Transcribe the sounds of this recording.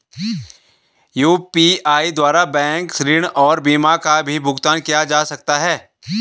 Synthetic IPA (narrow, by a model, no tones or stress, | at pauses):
juːpiaːid̪waːɾabɛ̃ːŋksɾiːɽ̃ɔːɾbiːmakabʱibʱʊɡt̪aːnkijad͡ʒaːsɐk̚t̪aɦɛː